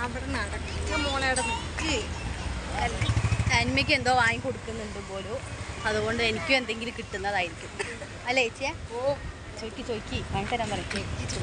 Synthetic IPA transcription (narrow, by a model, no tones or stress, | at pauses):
ɐʋiɽenɐɽɐkitːɐmoːɭɐjuɽemukːɨ | ɐlɐnmɐk̬ʲːe̞nd̪o̞ːʋaːjikoɽukːunːuɳɖumbo̞ːluɐðuɣo̞ɳɖɨe̞nikʲːume̞nd̪e̞ŋɡilkiʈːunːɐðaːjiɾikʲːumːɐ | ɐlːeet͡ɕːieo | t͡ɕokʲːit͡ɕoikʲːikɐɳt̪ːɐɾɐmpɐrɐjokʲːit͡ɕo